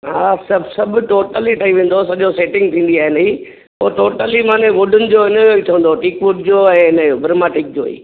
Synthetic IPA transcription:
ɦaːsɐbsɐbʱʈoːʈəliʈʰɐĩʋẽːn̆d̪osɐʄoseːʈɪ̃ŋɡ̚t̪ʰĩːnd̪iaːɦɪnɐi | poːʈoːʈəlimãːneʋʊɖʱʊnɪ̆d͡ʑoːɪnəjoːit̪ʰiʋə̃n̆d̪oʈiːkʋʊɖʱd͡ʑoːɛ̃ːɪnəjobʱɾmaːʈɪk̚d͡ʑo̰ːḭː

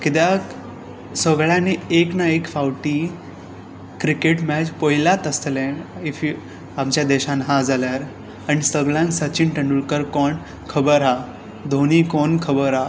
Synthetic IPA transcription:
kit̪ja | səɡɭjãnieknaekfawʈi | kɾikeʈmɛd͡ʑpoilat̪əst̪lẽifi | amt͡ɕjad̪ɛɕanɦad͡zaljaɾ | anisəɡɭjãnsət͡ɕinʈəɳɖulkəɾkɔɳ | kʰəbəɾa | d̪ʱoñikɔnkʰəbəɾa

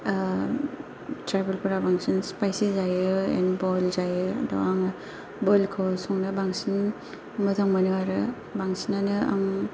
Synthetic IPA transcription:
tɾajbelpuɾabaŋsinspajsizajɯḛnbɔlzajɯdɔ̰waŋa | bɔjlkʰɔwsɔŋnabaŋsin | mɯtʰaŋmanɯwaɾɯ | baŋsinanɯa̰ŋ

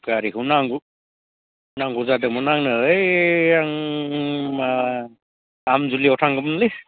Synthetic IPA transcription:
ɡ̥aɾiɦunaŋɡu | naŋɡuzadɯmɔnaŋnɯɯjaŋ | ma | amzuliɔtʰaŋɡɯmnli

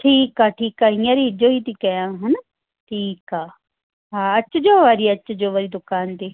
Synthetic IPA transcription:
ʈʰiːkaːʈʰiːkaːĩjãːɾiɪd͡ʒoːiːt̪ikɛjãːɦən | ʈʰiːkaː | ɦaːət͡ʃd͡ʒoːʋaːɾiːət͡ʃd͡ʒoːʋaːɾiːd̪ʊkaːnt̪iː

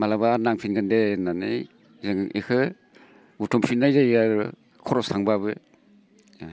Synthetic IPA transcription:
malabanaŋpʰinɡɯndenanɯ | zɯŋikʰɯ | utʰɔmpʰinːajzajaɾ | kʰɔɾɔsaŋbaβɯ

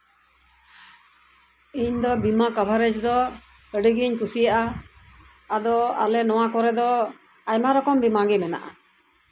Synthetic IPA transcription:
iɲd̪ɔbimakabʱaɾɛt͡ʃd̪ɔ | əɖiɡiɲkusijaʔaː | d̪ɔa̰lɛnɔw̃akɔɾɛd̪ɔ | ajmaɾɔkɔmbimaɡimɛna̰ʔa̰

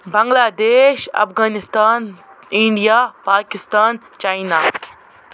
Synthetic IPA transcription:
bɐ̃ŋɡlaːd̪eːʃɐ̰fɣaːnɪst̪aːniɳɖijaːpaːkɪst̪aːn | t͡ʃaːjnaː

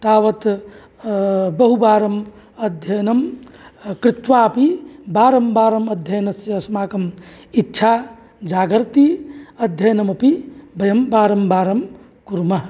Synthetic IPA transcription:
t̪aːʋɐt̪ | bɐɦubaːɾɐm | ɐd̪ʱjɐnɐm | kɾɪt̪ʋapibaːɾɐmbaːɾɐmɐd̪ʱjɐjnɐsjɐɐsmaːkɐm | itːt͡ʃʰa | d͡ʒaːɡɐɾt̪iɐd̪ʱjɐnɐmɐpibɐjɐmbaːɾɐmbaːɾɐm | kuɾmɐɦ

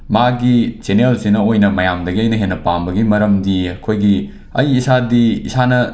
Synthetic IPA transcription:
maɡit͡ʃenelsinɐojnɐmɐjamdɐɡiɐjnɐɦenːɐpambɐɡimɐɾɐmdiɐkʰojɡi | ɐjisadiisanɐ

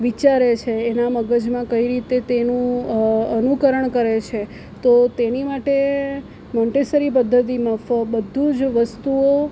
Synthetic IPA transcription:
ʋit͡ʃaɾet͡ʃʰeːnaməɡəd͡ʒmãkəiɾit̪et̪enũənukəɾəɳkəɾet͡ʃʰe | t̪ot̪enimaʈe | mɔ̃ɳʈesəɾip̬əd̪ʱːət̪̬imãfəbəd̪ʱũd͡ʒʋəst̪uo

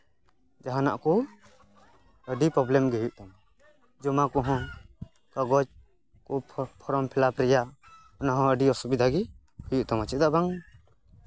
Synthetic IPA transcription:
d͡ʒaɦana̰ʔkɔ | əɖipɾɔblɛmɡejuʔ̚t̪ɔm | d͡ʒɔmakɔɦɔ̃ | kaɡɔd͡ʒ | kɔpʰɔɾɔmpʰɛlapɾija | ɔnaɦɔ̃əɖiɔsɔbid̪aɡi | hɯjuʔt̪ɔmat͡ʃʰid̪abaŋ

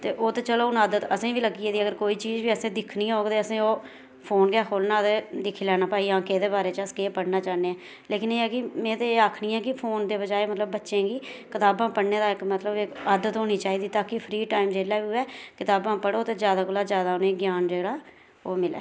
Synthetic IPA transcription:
t̪eːʔoːt̪eːt͡ʃəloːʊnaːd̪ət̪əsẽːʋiːləɡiːeːd̪iːəɡəɾkoːiːt͡ʃiːd͡ʒʋiːəsẽːd̪ɪkʰnĩːɦoːɡd̪eːəsẽːoː | pʰoːnɡaːkʰoːlnãːt̪eːd̪ɪkʰilɛːnaːpaːiːãːkeːd̪eːbaːɾeːt͡ʃaskeːpəɽnaːt͡ʃaːneːɛː | leːkɪneːɛːkɪmɛ̃ːt̪eeːaːkʰnĩːɛːkɪpʰoːnd̪eːbəd͡ʒaːeːmət̪ləbːətːʃẽːɡiːkɪt̪aːbãːpəɽneːd̪aːɪkmət̪ləbɪkaːd̪ət̪ɦoːniːt͡ʃaːiːd̪iːt̪aːkɪpʰɾiːʈaːɪmd͡ʒeːlaːʋiːɦʊɛːkɪt̪aːbãːpəɽoːt̪eːd͡ʒjaːd̪aːkʊlaːzjaːd̪aːʊnẽːɡjaːnd͡ʒeːɽaː | oːmɪlɛ̰ː

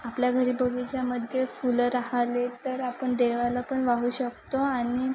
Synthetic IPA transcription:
apljaɡʱəɾiːbəɡit͡ɕjaməd̪ʱjefulɾaɦalet̪əɾapəɳd̪eʋalapəɳʋaɦuːɕək̚t̪oañi

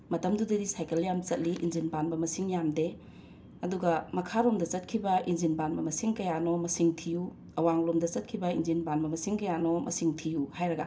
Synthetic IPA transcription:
mɐtɐmdudɐdisajkɐljamt͡ʃɐt̚liʔḭnzinbanbɐmɐsiŋjamde | ɐduɡɐmɐkʰaɾomdɐt͡ʃɐt̚kʰibɐʔinzinbanbɐmɐsiŋkɐjanomɐsiŋtʰiju | ɐwaŋlomdɐt͡ʃɐt̚kʰibɐinzinbanbɐmɐsiŋkɐjanomʔɐ̰siŋtʰijuhajɾɐɡɐ

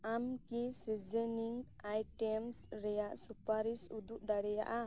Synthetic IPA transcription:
amkisid͡ʒɛniŋ | ajʈɛmsɾɛjaʔsupaɾisud̪uʔd̪aɽɛja̰ʔa

